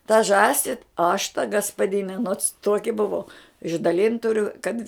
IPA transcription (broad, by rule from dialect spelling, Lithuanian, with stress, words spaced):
tɐ ˈʒɑːsʲɪ ɐʃ tɐ ɡɐspɐˈdʲɪnʲɛ noːts ˈtoːkʲɪ bʊˈʋɐʊ ɪʒdɐˈlʲɪnt tʊˈrʲʊ kɐt